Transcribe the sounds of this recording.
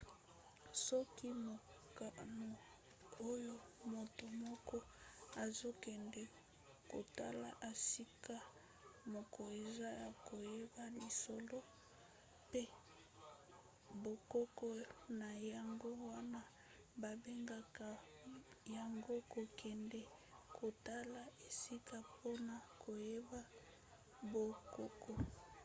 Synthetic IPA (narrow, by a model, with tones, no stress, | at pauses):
sɔ˦ki˦mo˨ | ka˨no˨ | o˦jo˦mo˨to˨mɔ˦kɔ˦ | a˨zo˦kɛ˨ndɛ˨ | ko̰˨ta˦la̰˨ʔa˨si˦ka˦ | mo˨kɔ˨e˨za˦ja˨ko˨je˦ba˦li˨so˨lo˦ | pe˦ | bo˨ko˦kɔ˦na˨ja˨ŋɡo˦wa˦na˦ | ba˨be˦ŋɡa˨ka˨ | ja˨ŋɡo˦ko˨kʰɛ˨ndɛ˨ | kʰo˨ta˦la˨e˨si˦ka˦po˦na˨ko˨je˦ba˦ | bo˨ko˦kɔ˨